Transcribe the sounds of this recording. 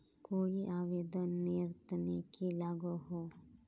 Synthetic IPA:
koːjiʔaːʋeːd̪ənːiɾt̪ənekilaɡoɦo

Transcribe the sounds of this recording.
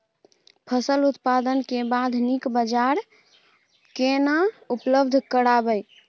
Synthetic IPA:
pʰəsəlut̪pad̪ənkebad̪ʱnikbəd͡ʒaɾ | kenaupləbd̪ʱkəɾabəj

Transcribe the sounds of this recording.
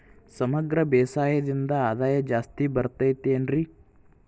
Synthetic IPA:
sɐmɐɡɾɐbeːsaːjɐd̪ind̪ɐaːd̪aːjɐd͡ʒaːst̪ibɐɾt̪ɐjt̪eːnɾi

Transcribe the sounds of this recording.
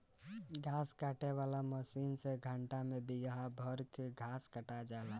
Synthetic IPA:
ɡʱaːskaːʈeʋaːlaməsiːnseɡʱəɳʈamẽbɪɡabʱɔɾkeɡʱaːskəʈad͡ʒaːla

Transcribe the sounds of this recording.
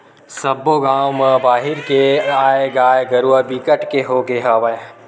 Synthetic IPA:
sɐbːoɡaːwmə̃baːɦɪɾkeaːeɡaːjeɡɐɾuabikəʈkeɦoːɡeɦɐʋɐe

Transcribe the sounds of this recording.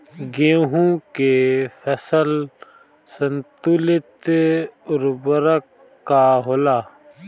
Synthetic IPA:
ɡeːɦũkefʰɛsəl | sənt̪ulɪt̪ | ʊɾbəɾəkː | aɦoːlaː

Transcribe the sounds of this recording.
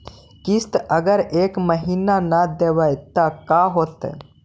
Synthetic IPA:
kist̪əɡəɾekməɦinanəd̪eʋəjt̪əkaɦot̪

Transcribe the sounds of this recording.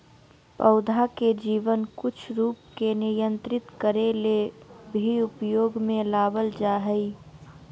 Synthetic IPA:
pəʊd̪ʱaked͡ʒiːʋənkʊt͡ʃʰɾuːpkenɪjə̃nt̪ɾɪt̪kəɾelebʱiʊpjoːɡmẽlaːbəld͡ʒaːɦəi

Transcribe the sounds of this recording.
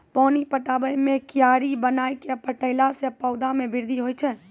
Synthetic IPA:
pɔnipəʈabəjmekijaɾibənajkepəʈəɪlasepəʊd̪ʱamebʱiɾd̪ʱiɦojt͡ʃʰɛ

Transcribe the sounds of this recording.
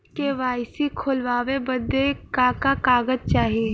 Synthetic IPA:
keʋaːɪsikʰʊlʋaːʋebəd̪ːekakakaːɡəd͡ʒt͡ʃaːɦie

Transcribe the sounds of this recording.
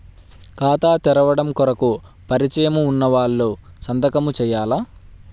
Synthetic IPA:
kaːt̪aːt̪ɛɾɐʋɐɽɐmkɔɾɐku | pɐɾit͡ʃɐjɐmuːnːɐʋaːɭːoːsɐnd̪ʱɐkɐmut͡ʃɛːjaːlaː

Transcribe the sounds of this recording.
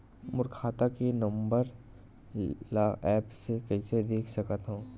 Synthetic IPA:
mʊɾkʰaːt̪akenɐ̃mbəɾ | laɛːpsekɐɪsed̪eːkʰsɐkət̪ɦũː

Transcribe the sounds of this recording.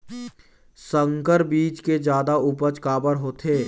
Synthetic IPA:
sə̃ŋkəɾbiːt͡ʃked͡ʒjaːd̪aupət͡ʃkaːbəɾɦoːt̪ʰeː

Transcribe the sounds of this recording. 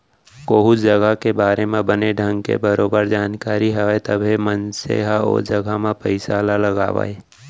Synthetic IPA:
koːɦʊtd͡ʒɐɡakebaːɾemẽbəneɖʱə̃ŋɡkḛbəɾoːbəɾd͡ʒaːnkaːɾiɦɛet̪əbʱemənsḛːɦao̰ːɾd͡ʒɐɡʱamẽpəɪsalalɐɡa̰ːʋa̰ːe

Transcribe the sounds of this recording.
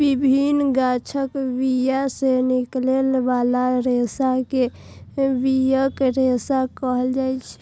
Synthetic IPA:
bibʱinɡat͡ʃʰəkbijaseniklelbalaɾesake | bijəkɾesakəɦəld͡ʒajt͡ʃʰɛ̥

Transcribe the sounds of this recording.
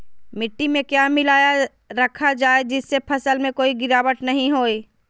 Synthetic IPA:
mɪʈːimẽkjaːmɪlaːja | ɾɐkʰad͡ʒaːed͡ʒɪsːepʰɐsəlmẽkoːiɡɪɾaːwəʈnɐɦĩɦoːi

